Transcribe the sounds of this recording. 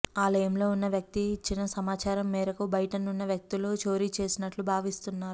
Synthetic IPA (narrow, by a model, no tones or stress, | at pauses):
aːlɐjɐmlo̞ːunːɐʋjɐk̚t̪it͡ʃinːɐsɐmaːt͡ʃaːɾɐmːɛːɾɐkubʱɐjʈɐnːunːɐʋjɐk̚t̪ilo̞ːt͡ʃo̞ːɾit͡ʃe̞ːsinɐʈlubʱaːʋist̪unːaːɾu